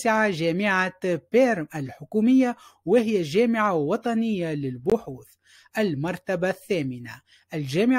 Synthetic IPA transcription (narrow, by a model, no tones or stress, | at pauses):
sɪʕaʒæːmɪʕabeːɾmʔalħʊkuːmɪjːawɪhɪjaʒæːmɪʕawɑt̪ˤɑnɪjːalɪlbʊħuːθ | ʔalmɑɾˤt̪abaθːæːmɪna | ʔɪlʒæːmɪ